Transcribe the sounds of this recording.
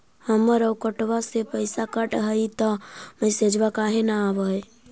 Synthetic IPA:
həməɾəwkəʈʋasepəɪsakəʈɦəit̪əməjsed͡ʒbakaɦenaːʋəj

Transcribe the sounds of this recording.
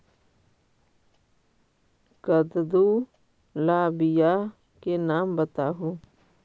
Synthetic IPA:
kəd̪d̪u | laːbɪja | kenaːmbət̪aːɦuː

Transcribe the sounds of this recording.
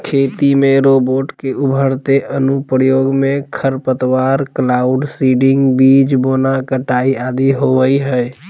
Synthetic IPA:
kʰet̪imeɾoboʈkeubʱəɾt̪eʔənupɾəjoɡmekʰəɾpət̪waɾklauɖsiɖiŋɡbid͡ʒbonakəʈaiad̪iɦoʋəjɦəj

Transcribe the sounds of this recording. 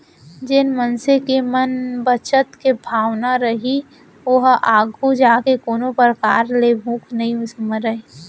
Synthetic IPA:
d͡ʒɪnmənsekemənbət͡ʃət̪kebʱaːʋnaɾəɦi | ʊɦaːɡʱud͡ʒaːkekoːnopɾəkaːɾlebʱũːkʰnəɦĩsməɾəe

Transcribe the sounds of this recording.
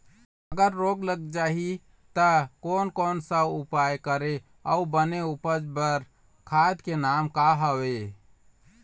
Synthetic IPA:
əɡəɾːoɡləɡ̚d͡ʒaɦi | t̪əkonkonsəupajkəɾe | əubəneupəd͡ʒbəɾ | kʰad̪kenamkaɦəwe

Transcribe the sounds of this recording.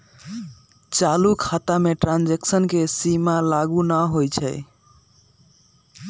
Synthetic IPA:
t͡ʃalukʰat̪ameʈɾand͡ʒeksənkesimalaɡunəɦojt͡ʃʰɛ̰j

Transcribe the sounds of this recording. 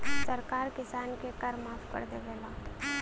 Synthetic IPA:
səɾkaːɾkɪsaːnkekəɾmaːfʰkə̰ɾd̪eɡeːlaː

